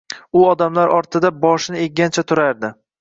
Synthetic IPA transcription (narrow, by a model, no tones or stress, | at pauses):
ʊɒd̪amlaɾɒɾt̪ʰɪd̪abɒʃnɪeɡʲant͡ʃʰat̪ʰʊɾaɾd̪ɪ